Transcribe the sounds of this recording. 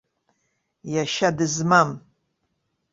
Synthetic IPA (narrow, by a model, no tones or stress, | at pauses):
jaʃadɨzmam